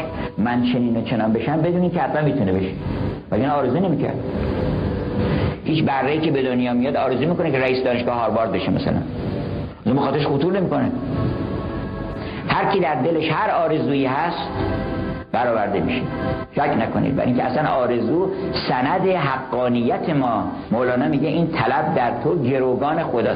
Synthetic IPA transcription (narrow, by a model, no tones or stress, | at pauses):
mænt͡ʃʰe̞niːnot͡ʃʰenɒːnbe̞ʃæmbed̪uːnimkʲʰeæslænmiːt̪ʰunebe̞ʃe̥vælinæɒːɾezuːne̞miːkʰæ̰ɾd̪ | hiːt͡ʃbærːeiːcebe̞d̪onjɒːmijɒd̪ɒːɾe̞zuːmiːko̞nekʰeɾæiːsed̪ɒːne̞ʃɡɒːhɒːɾbɒːɾzbeʃemæ̰sæ̰læ̰n | zumbexɒːt̪eɾeʃxot̪uːɾnemiko̞ne | hæɾkʰid̪æɾd̪e̞le̞ʃhæɾɒːɾe̞zuːjiːɦæst̪ | b̥æɾɒːvæɾd̪emḭʃe | ʃækʰnækʰonḭd̪̚bæ̰ɾiŋcʰeæ̰slænɒːɾe̞zuːsænæd̪e̞ɦæɡːɒːnijːæt̪ʰe̞mɒː | molɒːnɒmiːɟeʔiːnt̪ʰælæb̚d̪æɾt̪ʰoɟe̞ɾoɡɒːne̞xod̪ɒː